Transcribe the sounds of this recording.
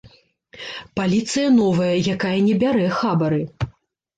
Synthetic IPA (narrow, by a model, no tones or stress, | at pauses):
palʲit̪sɨjɐnɔvɐjɐjakajɐnʲɛbʲaɾɛxabɐɾɨ